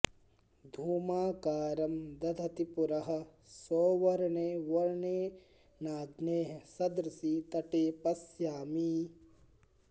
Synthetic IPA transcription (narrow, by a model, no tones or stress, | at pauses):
d̪ʱuːmaːkaːɾɐmd̪ɐd̪ʱɐt̪ipuɾɐɦɐ̆sɔːʋɐɾɐɳeːʋɐɾɳeː | naːd̪neːɦsɐd̪ɾɐsit̪ɐʈeːpɐsjaːmi